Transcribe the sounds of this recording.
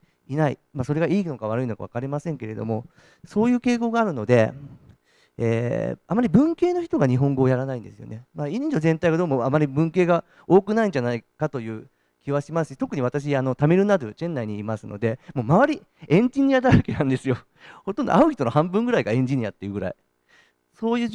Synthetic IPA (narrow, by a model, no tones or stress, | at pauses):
inaḭmaso̞ɾe̞ɡaiːno̞kaβ̞aɾɯino̞kaβa̰kaɾʲimasẽ̞ŋke̞ɾe̞d̪o̞̰mo̞ | so̞ːjɯ̟ːke̞ːko̞ɡaːɾɯ̟no̞d̪e̞ | ḛːamːaɾʲibɯ̟̃ŋke̞ːno̞çi̥t̪o̞ɡaɲ̟iɦõ̞ŋɡo̞ːjaɾanaĩnd̪esɨjo̞̰ne̞maːiɲːɲd͡ʑo̞zẽ̞nt̪aiɡad̪o̞ːmoamːaɾʲibɯ̟̃ŋke̞ːɡa | o̞ːkɯ̟naĩɲ̟d͡ʑanaikat̪o̞jɯ̟ː | kʲiβaɕimasɨ̥ɕi̥t̪o̞kɯ̟ɲ̟iβat̪aɕ̬iano̞t̪ameiɾɯnad̪ot͡ɕẽ̞nːaiɲ̟iːmasɨno̞̰d̪e̞mo̞ːmaβaɾʲi | ẽ̞ɲ̟d͡ʑiɲ̟iad̪aɯkenãnd̪e̞sɨjo̞ | hot̪ːond̪o̰aɯ̟çʲit̪o̞nohãmbɯ̟̃ŋɡɯ̟ɾaiɡaẽ̞ɲ̟d͡ʑiɲ̟ia̰t̪ːejɯ̟ɡɯ̟ɾa̰i | so̞ːjɯ̟ː